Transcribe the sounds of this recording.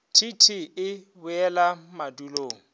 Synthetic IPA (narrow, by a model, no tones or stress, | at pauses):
tʰitʰiɪ | bʊɛlamaduloːŋ̩